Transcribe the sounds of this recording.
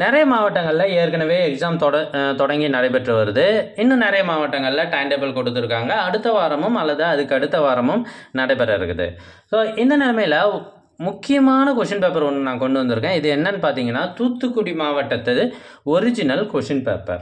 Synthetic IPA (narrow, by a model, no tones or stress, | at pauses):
nɛɾɐjɐmaːʋɐʈːɐŋɡɐɭɪlɐeːɾkɐnɐʋeːɛksaːmt̪ɔɽɐt̪ɔɽɐŋɡinɐɽɐɪpɛʈrɯʋɐɾɯðɯɪnːɯ̃nɛɾɐjɐmaːʋɐʈːɐŋɡɐɭɪlɐʈɐɪɳɖɛbɐlkɔɽɯt̪̬ːɯɾɯkːaːŋɡɐːɽɯt̪ːɐʋaːɾɐmɯmɐlːɐðɯɐðɯkːɯɐɽɯt̪ːɐʋaːɾɐmɯmnɐɽɐɪpɛɾɐɪɾɯkːɯðɯ̰ | soːʔɪnd̪ɐnɛːlɐmɐjɪlɐ | mʊkːɪjɐmaːnɐkʊʂɐnpeːpɐɾɔnːɯnaːkɔɳɖɯʋɐnd̪ɯɾɯkːẽːɪðɯɛnːɐnːɯpaːɾt̪iːŋɡɐnːaːt̪uːt̪ːɯkːʊɽimaːʋɐʈːɐt̪ːɐðɯɔɾɪd͡ʒɪnɐlkʊʂɪnpḛːpɐ̰ɾ